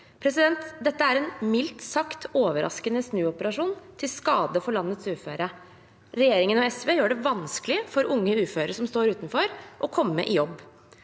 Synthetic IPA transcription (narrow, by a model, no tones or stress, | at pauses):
pʰɾɛsɪd̪ɛnt̪d̪ɛt̪ːəæɾɛnmɪlt̪sɑkt̪ʰoːʋəɾʔɑ̰skənəsnʉːɔpəɾɑʂuːnt̪ʰɪlskɑːd̪əfɔɭɑnːət̪sʉːføːɾə | ɾɛjeːɾɪŋənɔɛsʋeːjøːɖɛʋɑnsklɪəfɔɾʔʊŋːəʉːføːɾəʂɔmst̪oːɾʉːt̪nfɔɾʔɔkʰɔmːə̰ʔɪjɔbː